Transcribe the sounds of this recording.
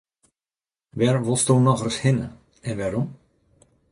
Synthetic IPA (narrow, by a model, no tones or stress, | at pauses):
ʋɛrʋɔlˠstoːnɔɣərshɪnə̰ | ɛnʋɛɾɔm